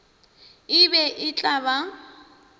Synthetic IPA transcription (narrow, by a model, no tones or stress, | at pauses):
ɪbɛʔɪt͡ɬʼaba